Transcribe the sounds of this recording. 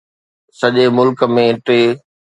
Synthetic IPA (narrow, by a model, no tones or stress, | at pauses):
sɐʄemʊlkə̆mẽʈeː